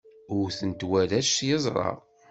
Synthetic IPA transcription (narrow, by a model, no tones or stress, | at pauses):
ʊɾθənt̪wælæʃjəzˤɾˤɑ̰